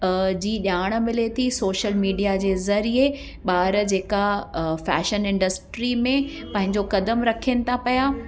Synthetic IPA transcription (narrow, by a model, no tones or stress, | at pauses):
d͡ʑiːɗaːɽ̃̆mɪlet̪ʰisoːʃəlmiːɖijad͡ʑeːzɐɾie | ɓaːɾd͡ʑeːkafɛ̰ːʃənɪ̃ɳɖəsʈɾimẽ | pɐ̃ɦɪ̃ɲd͡ʑokɐd̪əmɾɐkʰieñɪ̆t̪ʰapɐjaː